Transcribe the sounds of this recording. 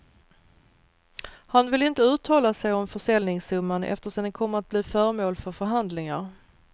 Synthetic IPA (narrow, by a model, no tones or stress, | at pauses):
hanvɪlɪnt̪əʉ̟ːt̪ʰːɑːlasɛjɔmfœʂɛlnɪŋsɵmːanʔɛ̰ft̪əʂɔmd̪ɛnkʰɔmːəɾat̪̚bliːfœːɾmoːlfœɾfœɾɦand̪lɪŋaɾ